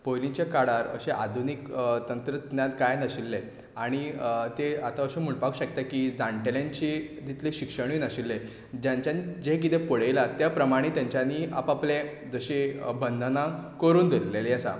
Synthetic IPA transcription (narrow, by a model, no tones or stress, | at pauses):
pojlit͡ɕekaɽaɾə̰ɕeʔa̰d̪ʱunikt̪ənt̪ɾət̪njat̪kajnəɕilːe | aɽ̃it̪eat̪aəɕẽm̤əɳpakuɕəkt̪akid͡zãɳʈeljãɲt͡ɕid̪ʱit̪leɕikʂəɽ̃inəɕilːe | d͡ʑjãɲt͡ɕjanid͡ʑekit̪ẽpəɽ̤ejlat̪japɾəmaɽ̃iːt̪jaɲt͡ɕjania̰paple | d͡zəɕebənd̪ʱənakəɾuːnd̪ilːeleəsa̰